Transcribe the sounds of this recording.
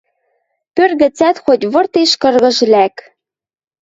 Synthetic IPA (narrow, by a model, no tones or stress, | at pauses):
pørɣɘ̆t͡sæt̪xotʲβɤ̆rt̪eʃkɤ̆rɣɤ̆ʒ̆læk